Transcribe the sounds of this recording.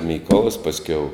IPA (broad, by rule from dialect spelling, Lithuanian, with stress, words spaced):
ˈmʲiːkoːlˠɐs pɐsʲˈkʲɛʊ